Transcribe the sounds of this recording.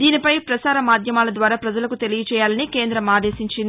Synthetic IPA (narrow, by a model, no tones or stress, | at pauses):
d̪iːnipɐjpɾɐsaːɾɐmaːd̪ʱjɐmaːlɐd̪ʋaːɾaːpɾɐd͡ʒɐlɐkut̪e̞lijɐt͡ʃɛːjaːlɐnikeːnd̪ɾɐmaːd̪e̞ːsiɲt͡ʃin